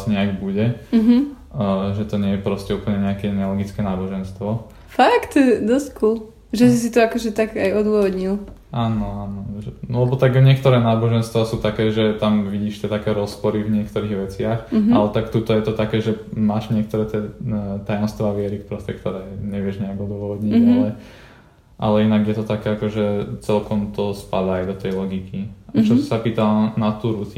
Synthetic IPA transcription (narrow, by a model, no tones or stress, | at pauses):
sɲɛaɡbuɟɛɦ | ʒɛt̪ɔɲɪɛjɛpɾɔscɛuːpl̩ɲɛɲɛakɛɲɛlɡit͡skɛːnaːbɔʒɛnst̪ʋɔ | fakt̪d̪ɔsckul | ʒɛsisit̪ɔakɔʒɛt̪aɡajɔd̪ʊɔʋɔd̪ɲilˠ | ʔaːnɔaːnɔʒɛɔlɛbɔt̪aɡvɲɪɛk̚t̪ɔɾɛːnaːbɔʒɛnst̪ʋasuːt̪akɛːʒɛt̪amʋiɟiːʃt̪ɛt̪akɛːɾɔspɔɾivɲɪɛkt̪ɔɾiːɣʋɛt͡sɪaxalɛt̪akt̪ut̪ɔjɛt̪ɔt̪akɛːʒɛmaːʒɲɪɛk̚t̪ɔɾɛːt̪ɪɛːt̪ajɔmst̪ʋaʋɪɛɾikpɾɔstɛkt̪ɔɾɛːɲɛʋɪɛʒɲɛaɡɔd̪ʋɔʋɔd̪ɲiɟalɛ | ʔa̰lɛinaɡjɛt̪ɔt̪akɛːakɔʒɛt͡sɛlkɔmt̪ɔspad̪aːjd̪ɔt̪ɛjlɔɡikiat͡ʃɔsi̥sapiːt̪alnat̪uːɾusi